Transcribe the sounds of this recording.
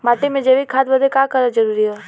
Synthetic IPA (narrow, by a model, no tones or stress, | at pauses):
maːʈemẽd͡ʒeʋikʰaːd̪bəd̪ʱekaːkəɾad͡ʒɐɾuːɾiɦɛː